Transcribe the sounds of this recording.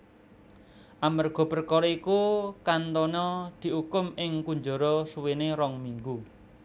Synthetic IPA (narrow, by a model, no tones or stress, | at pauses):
ʔamərɡ̥ɔ̤bərkɔɾɔikukant̪ɔnɔd̪̥i̤ɦukʊmɪŋkuɲd͡ʒɔɾɔsuweneɾɔŋmiŋɡu